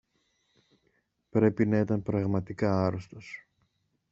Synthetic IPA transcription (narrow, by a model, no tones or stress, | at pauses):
pɾe̞pinɐit̪ɐmpɾɐɣmɐt̪ikɐɐɾost̪o̞s